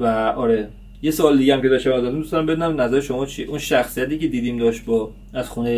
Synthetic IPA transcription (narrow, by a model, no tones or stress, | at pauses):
væɒɾe̞ | je̞soɒːled̪iɟeæmcʰeɒʃt̪æmɒːzɒd̪imd̪ust̪æmbed̪unæmnæzæɾeʃo̞mɒːt͡ʃʰieʔunʃæxsijæt̪iːce̞d̪iːd̪iːmd̪ɒːʃt̪̚bɒː | æz̥xunej